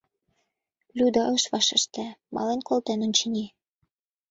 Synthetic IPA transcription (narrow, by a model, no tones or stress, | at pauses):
lʲud̪ɑɤʃβɑʃə̆ʃt̪ĕmɑ̰lenkolt̪enonʲt͡ɕənʲi